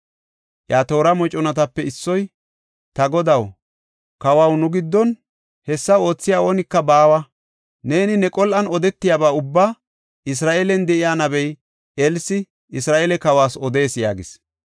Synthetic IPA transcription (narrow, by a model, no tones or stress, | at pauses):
ʔjaːt̪o̞ːɾɐmɔt͡ʃʼɔnɐt̪ɐpːɛɪsːɔj | t̪ɐɡɔd̪ɐw | kɐwɐwnʊɡɪd̪ːɔn | hɛsːɐo̞ːt͡sːɪjaːo̞ːnɪkːɐbaːwɐ | ne̞ːnɪnɛkʼɔlʔɐnɔd̪ɛt̪ːɪjabaːʊbːaː | ɪs̬ɾaːʔeːlɛnd̪ɛʔɪjaːnɐbɛj | ɛlsɪ | ɪsɾaːʔelɛkɐwaːsɔd̪e̞ːsja̰ːɡɪs